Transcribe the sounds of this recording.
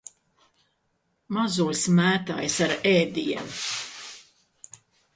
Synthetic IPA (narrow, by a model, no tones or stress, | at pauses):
mazuɔsmæːt̪a̰jsaɾɛːd̪iɛm